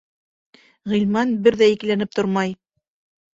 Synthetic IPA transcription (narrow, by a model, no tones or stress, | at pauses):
ʁĭlʲmɑnbɘɾðæiklænɘp̚t̪oɾmɑj